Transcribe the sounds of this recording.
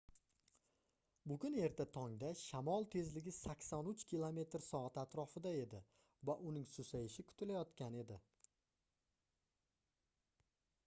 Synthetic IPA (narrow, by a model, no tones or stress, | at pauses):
bʊɡʲʊne̞ɾt̪ʰat̪ʰɒŋd̪aʃamɒlˠt̪ʰe̞zlɪɡʲɪsakʲsɒnʊt͡ʃkʲʰilˠome̞t̪ɾsɒat̪at̪ɾɒfɪd̪ae̞d̪ɪ | vaʔʊnɪŋsʊsajɪʃɪkʰʊ̥t̪ʰɪlajɒt̪kʲane̞d̪ɪ